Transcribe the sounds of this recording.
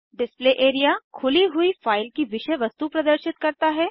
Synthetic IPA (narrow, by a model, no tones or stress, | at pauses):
ɖɪspleːʔeːɾijakʰʊliɦʊifaːɪlkiʋɪʃəʋɐst̪upɾɐd̪əɾʃɪt̪kɐɾt̪aɦɛː